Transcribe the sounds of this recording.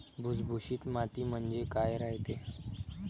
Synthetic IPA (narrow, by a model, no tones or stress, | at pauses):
bʱud͡zbʱuɕiːt̪mat̪iːm̤əɳd͡zekajɾaɦt̪e